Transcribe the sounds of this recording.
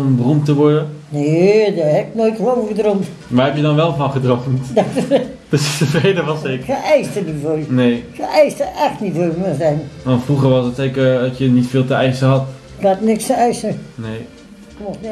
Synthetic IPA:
ɔmbərumtəʋɔɹdənnedahɛpɪk̚nojtowədromt | ʋaːɹɦɛpjədɑnʋɛlˠvɑnχədromtda | d̥østəfrejdəʋɑsɪkəʔɛjstənifojnejxəɛjstəʔɛxtnitfojməzɛjnʋɑntfruχəɹʋɑsdətsejkəɹdɑtjənitfɪːlˠtəɛjsəɦɑt | klaːtnɪkstəɛjsənej | kmo

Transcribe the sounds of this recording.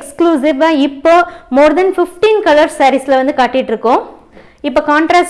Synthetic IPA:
kskluːsɪʋaːɪpːoːmoːɾd̪ɐnfɪfʈiːnkɐlɐɾsɐɾɪsɪlʋɐnd̪ɯkaːʈːɪʈːɪɾɯkːʊ̃ː | ɪpːoːkaːɳʈɾaːs

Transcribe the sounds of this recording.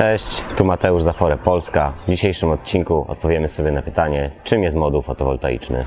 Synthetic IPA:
ɛɕt͡ɕt̪umat̪ɛuʐzafɔɾɛpɔlskavd͡ʑiɕejʂɘmɔt̪̚t͡ɕiŋkuʔɔ̰t̪̚pɔvʲjɛmɘsɔbʲjɛnapɘt̪aɲɛt͡ʂɘmjɛst̪mɔd̪uwfɔt̪ɔvɔ̰lt̪a̰jḭt͡ʂnɘ̰

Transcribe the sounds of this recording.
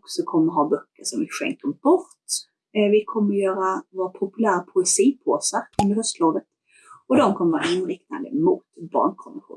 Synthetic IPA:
ksɔkʰɔmːəɾɦɑːbœkːəʂɔmvɪɧɛ̰ŋk̚t̪ɔmbɔɾt̪ | vɪkʰɔmːəɾjœːɾavoːɾpʰʊpɵlæːɾapʰʊɛsiːpʰoːsaɵnd̪əɾhœst̪loːd̪ət̪ | ɔd̪ɔmkʰɔmːəɾɑːɾaɪnɾɪkna̰nd̪ə̰mʊt̪bɑ̰ːɳkʰɔmɪɧṵːn

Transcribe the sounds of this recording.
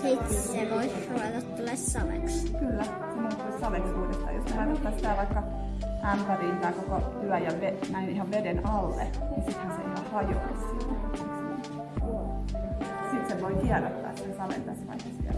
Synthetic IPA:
sit̪seʋoi | rueðɑt̪tulessɑʋḛkskylːæ | simːonet̪ːuissɑʋekspuit̪et̪ːɑ̰jo̰ssehɑinot̪ːɑːsit̪æːʋɑikːɑ | ʔæmpæriːnt̪ɑikokot̪yæjjɑʋenæinihɑʋʋedenɑlːḛnisit̪hænseʔihɑhɑjo̰isiːtet̪ɑt̪ːit̪simːo̰n | sit̪seʋoikiærot̪ːɑ̰ːsit̪esɑʋḛnt̪æsʋɑ̰ihesjɑ̰

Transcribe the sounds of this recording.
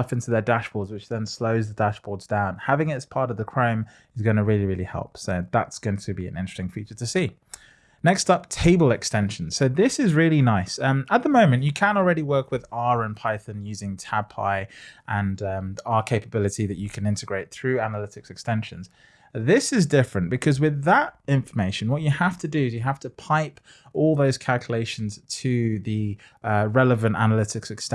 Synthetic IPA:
ʌfɪ̃ntʰʉðədaʃb̥ɔɹdzwɨt͡ʃðə̃nsləʊzðədaʃb̥ɔːdzdãʊ̃nhavɪ̃ŋɪtz̥pʰɑɹɾəvðəkʰɹ̥ə̃ʊ̃m | ɪzɡʌ̃ñəɹɪːlˠiɹɪːlˠihɛ̰lˠpsoʊða̰tsɡ̥ʌ̃ʊɪ̃ŋtʰɨbiɨ̰̃nɪ̃nt͡ʃɹ̥stɪ̃ŋfit͡ʃətʰɨsi | nɛkstʌp̚tʰeɪbəlˠɨkstɛ̃nʃn̩z̥soʊðɪsɪzɹɪlˠinaɪsʌ̃mət̪̚ðəmõʊ̃mɨ̃nt͡ʃɨkʰə̃nl̩ˠɹɛɾiwɜˑ˞kwɪðɑɹə̃npʰaɪθə̃njʉzɪ̃ŋtʰab̚pʰa̰ɪʔə̃nʌ̃mɑkʰeɪpəbɪlˠɨtiðɨt͡ʃɨkʰɨ̃nɪ̃ntɨɡɹeɪt̪̚θɹʉanəlɪtɪksɨkstɛ̃nʃə̃nz̥ | ðɪsɪzdɪfɹɨ̃nb̥ɨkʰʌzwɪðətɪ̃ɱfə˞meɪʃɨ̃nwʌt͡ʃɨhaftədɨɪzjɨɦaftʰəpʰaɪp | ɔlˠðoʊz̥kʰalˠkʰjəleɪʃn̩z̥tʰɨði | ʌɹɛləvə̃nta̰nəlɪɾɪksɨkst

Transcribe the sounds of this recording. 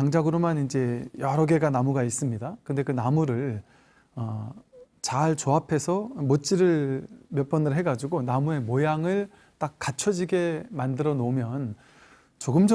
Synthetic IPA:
aŋd͡ʑaɡɯɾomanind͡ʑe̞jʌɾʌɡe̞ɡanamuɡais͈ɯmɲidakɯnde̞kɯnamuɾɯɭ | ʌ | t͡ɕaɭt͡ɕoɦapʰe̞sʰʌmot͡ɕ͈iɾɯɭmjʌp͈ʌnɯɭɦe̞ɡad͡ʑuɡonamue̞mojaŋɯɭ | t͈ak̚k͈at͡ɕʰʌd͡ʑiɡe̞mandɯɾʌnomjʌn | t͡ɕoɡɯmd͡ʑ

